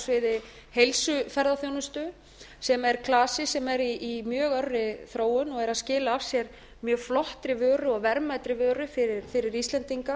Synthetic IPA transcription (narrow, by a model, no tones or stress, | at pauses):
svɪðɪ | hejlsʏfɛɾðaθjownʏst̪ʏ | sɛmɛɾkʰlaːsɪsɛmɛɾiːmjœːɣœrːɪθɾoːwʏnɔɣɛɾaðscɪːlaav̥sjɛɾ | mjœːɣflɔht̪ɾɪvœːɾʏɔɣvɛɾmajt̪ɾɪvœːɾʏfɪɾɪɾfɪɾɪɾist̪lɛnt̪iŋka